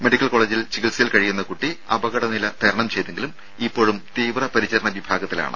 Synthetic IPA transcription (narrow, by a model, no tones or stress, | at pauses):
me̞ɖikʲːɐlkoɭeːd͡ʑilt͡ɕikilsɐjɐlkɐɻijunːɐkuʈːiɐbɐɣɐɽɐnilɐt̪ɐɾɐɳɐmt͡ɕe̞jt̪eŋɡilum | ipːo̞ːɻumt̪iːʋrɐpɐɾit͡ɕːɐɾɐɳɐʋibʱaːɡɐt̪ːila̰ːɳɨ̰